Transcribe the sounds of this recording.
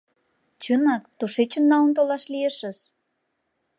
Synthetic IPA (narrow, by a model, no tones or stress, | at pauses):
t͡ɕɤnɑkt̪uʃet͡ɕənːɑlə̆nt̪olɑʃlieʃə̆ʃ